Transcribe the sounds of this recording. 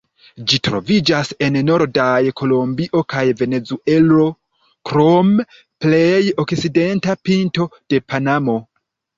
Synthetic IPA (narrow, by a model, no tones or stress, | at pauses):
d͡ʒitɾo̞̰vid͡ʒase̞nno̞ɾdajkʰo̞lo̞mbiʔo̞kajve̞ne̞zuʔe̞lo̞ | kɾo̞m | ple̞jokside̞ntapinto̞d̥e̞panamo̞